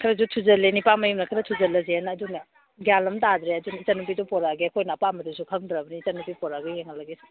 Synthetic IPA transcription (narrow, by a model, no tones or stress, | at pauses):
kʰɐɾɐzutʰuzɐlːenipamɐjumnɐkʰɐɾɐtʰuzɐlːɐzenːdunɐ | ɡjalɐmtadɾeɐdunɐisanupidɔpɔɾaɡeɐkʰojnɐɐpamɐdusukʰɐŋdɾɐbɐniːsanupipɔɾaɡejeŋɐlɐɡes